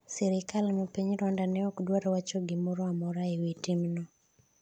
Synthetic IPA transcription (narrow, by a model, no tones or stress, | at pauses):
sɛɾɪkalmɔpiɲɾɔndanɛokdwaɾɔwat͡ʃoɡɪmɔɾɔamɔɾaewitimnɔ